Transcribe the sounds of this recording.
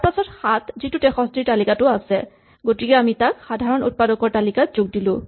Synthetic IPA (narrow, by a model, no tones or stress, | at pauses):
apasɔtxat̪zitʊtɛxɔstiɹtalikatʊasɛ | ɡotikɛamitakxadʱaɹɔnṵt̚padɔkɔɹtalikazʊɡ̚dilʊ̃